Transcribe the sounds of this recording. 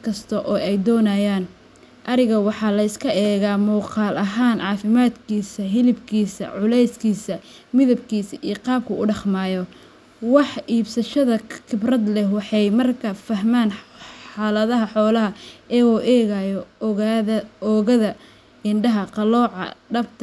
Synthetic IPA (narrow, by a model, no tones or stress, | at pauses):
kʰɐst̪ʰɐʔɔːɛjd̪ɔːnaːjaːn | ʔɐɾɪɣɐwɑħɑːlɐɪskʰɐʔɛːɣaːmuːqɑːlʔɐɦaːnʕɑːfɪmaːd̪kʰiːsɐɦɪlɪbkʰiːsɐ̰ʕʊlɛjskʰiːsɐ | mɪðɐbkʰiːsɐʔiqɑːb̚kʰɐʊɖɑχmaːjɔ | wɑħʔiːbsɐʃɐðɐkʰɪbrɐd̪lɛhwɑħɑjmɐrkʰɐfɐɦmaːnħħɑːlɐðɐɦɐħɔːlɐɦɐʔɛːɔːʔɛːɣajɔ | ɔːɣɐðɐ | ɪnɖɐɦɐqɑlɔːʕɑ̰ɖɐbt̪ʰɐ